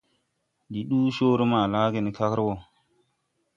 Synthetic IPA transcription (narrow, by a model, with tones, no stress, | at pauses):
ɗi˨ɗuː˦ʃoː˦ɾe˦maː˨laː˦ɡe˨ni˨ka˦kɾwo˨